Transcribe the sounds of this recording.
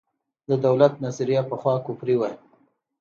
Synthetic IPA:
d̪əd̪awlat̪̚nasɾijapəxwɑkupɾiwaj

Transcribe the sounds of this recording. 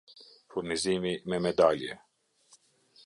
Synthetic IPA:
fuɾniziːmimɛmɛd̪aːlijḛ

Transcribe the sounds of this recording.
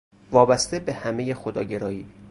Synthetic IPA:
vɒːbæst̪ebehæmejexod̪ɒ̰ːɟe̞ɾɒːjiː

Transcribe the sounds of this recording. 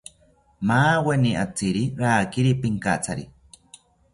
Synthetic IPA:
maːweniat͡siɾiɾaːkiɾipiŋkat͡sʰaɾi

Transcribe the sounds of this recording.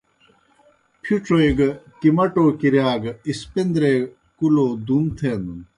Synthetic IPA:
pʰjuʈ͡ʂojɡkimɐʈoːkiɾjaːɡispind̪ɾeː | kuloːd̪unt̪ʰeːnd̪un

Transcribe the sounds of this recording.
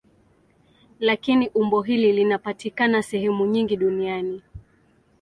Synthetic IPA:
lakiniʔumbɔɦililinapatikanasɛhɛmuɲiŋɡiɗuniani

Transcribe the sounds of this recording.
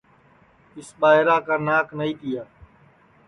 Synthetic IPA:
ɪsɓaːɦɪɾaːkaːnaːknəiːt̪ɪjaː

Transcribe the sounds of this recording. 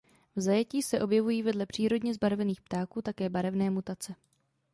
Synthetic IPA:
vzajɛciːsɛʔo̞bjɛvujiːvɛdlɛpr̥iːɾo̞dɲɛzbaɾvɛniːxpt̪aːkuːt̪akɛːbaɾɛvnɛːmut̪at͡sɛ

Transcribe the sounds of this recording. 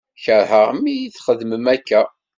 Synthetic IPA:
çəɾhəʁmijiθχəðməmækːæ

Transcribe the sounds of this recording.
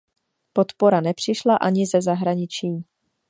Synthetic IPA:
po̞t̪po̞ɾanɛpr̝̥ɪʃlaʔaɲɪzɛzaɦɾaɲɪt͡ʃiː

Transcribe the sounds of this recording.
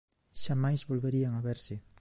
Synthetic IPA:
ʃamajzβolβeɾiaŋaβeɾsɪ

